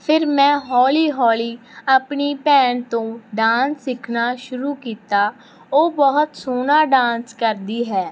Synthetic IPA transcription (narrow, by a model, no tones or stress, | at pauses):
pʰɪɾmɛ̃ːɦɔːliːɦɔːliːəpɳiːpɛːɳt̪õːɖãːnsːɪkʰnaːʃʊɾuːkiːt̪aː | oːbəɦʊt̪soːnaːɖãːnskəɾd̪iːɦɛː